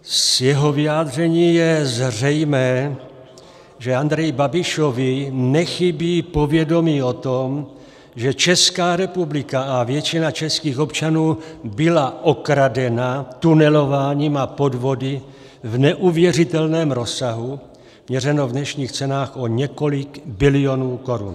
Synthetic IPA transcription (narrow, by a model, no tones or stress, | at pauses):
sjɛɦo̞vɪaːd̪r̝ɛɲiːjɛzrɛjmɛː | ʒɛand̪ɾɛjɪbabɪʃovɪnɛxɪbiːpo̞vjɛdo̞miːo̞t̪om | ʒɛt͡ʃɛskaːɾɛpublɪkaavjɛt͡ʃɪnat͡ʃɛskiːxo̞pt͡ʃanuːbɪlaʔokɾadɛnat̪unɛlo̞vaːɲiːmapo̞dvo̞dɪ | vnɛʔuvjɛrɪt̪ɛlnɛːmɾo̞saɦu | mɲɛrɛno̞vdnɛʃɲiːxt͡sɛnaːxo̞ɲɛko̞lɪkbɪlɪo̞nuːko̞ɾṵn